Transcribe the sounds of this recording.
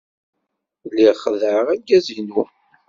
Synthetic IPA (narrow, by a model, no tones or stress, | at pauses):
lːiʁχəðəʕəʁæɡːæzinu